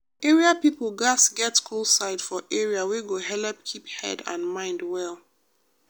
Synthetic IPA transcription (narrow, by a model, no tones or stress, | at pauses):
ɛɹiapipl̩ˠɡasɡɛtkʰulˠsaɪd̥fɔʔɛɹiaweɡoɦɛlɛp̚kʰiphɛ̰dã̰nmãɪ̃ndwɛlˠ